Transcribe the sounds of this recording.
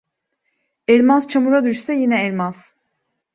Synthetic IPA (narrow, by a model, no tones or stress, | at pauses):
ɛlʲmazt͡ʃʰamuɾad̪yʃsɛjinɛɛlʲmaz̥